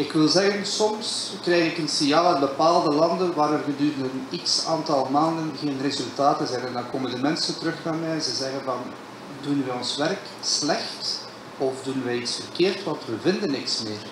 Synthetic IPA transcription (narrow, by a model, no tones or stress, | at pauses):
ɪkʋɪlˠzɛɣənsɔms | krɛjɣɪkənsɪnjaːlˠanbəpaːlˠdəlɑndənʋaːɾərɣədyːɾəndəniksaːntɑlˠmaːndənɣeːnrezɵlˠtaːtənzɛjnɛndɑnkoːməndəmɛnsəntəɾɵxnaːmɛjɛnzɛzɛɣənvɑn | dunʋɛɔnsʋɛrk | slɛxt | ɔfdunʋɛjitsfərkeːrtʋɑntʋəvɪndənːɪksmɪːr